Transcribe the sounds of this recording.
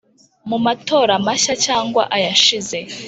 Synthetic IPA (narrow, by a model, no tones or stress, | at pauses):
mumato̞ːɾamaɕacaːŋɡwa̰ʔajaʃize̞